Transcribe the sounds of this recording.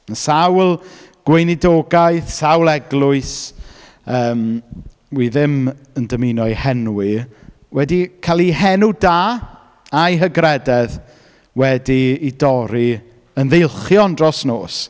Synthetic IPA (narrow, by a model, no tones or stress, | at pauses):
ənsawlˠ | ɡ̥wejnidoːɡajθsawlˠɛɡlˠʊɨs | əːm | wiðɪməndəminɔɨhɛnuwi | wɛdikʰalˠiɦɛnudaː | ajɦəɡrɛdɛð | wɛdiːdɔɾi | ənðejlˠχjɔndrɔsnoːs